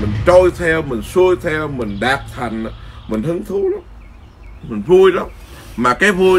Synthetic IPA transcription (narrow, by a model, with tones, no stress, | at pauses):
mï˨˩ŋ̟t͡ɕɔ˧jt̪ʰɛ˧wmï˨˩ŋ̟su˧əjt̪ʰɛ˧wmï˨˩ŋ̟ɗaː˨˩t̚t̪ʰa˨˩jŋ̟a˨˦mï˨˩ŋ̟h̪ɨ˨˦ə˦ŋt̪ʰɨ˨˦la˨˦m | mï˨˩ŋ̟vu˧əjla˨˦ | maː˨˩kaː˨˦jvu˧